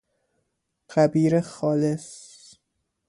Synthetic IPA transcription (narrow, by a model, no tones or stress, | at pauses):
ɢ̥æbiːɾexɒːles